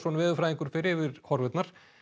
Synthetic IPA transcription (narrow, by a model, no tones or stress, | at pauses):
sɔnvɪːðʏfɾaːjiŋkʏɾ̥fɪɾɪvɪɾhɔɾvʏt̪naɾ̥